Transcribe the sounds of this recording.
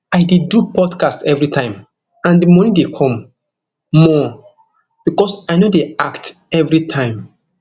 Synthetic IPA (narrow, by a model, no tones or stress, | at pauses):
ajdedupʰɔdkastɛvɹitʰãɪ̃m | ãndimɔ̃nĩdekʰɔ̃mː | ɔ | b̥ikɔsajnodeaktɛvɹitʰãɪ̃m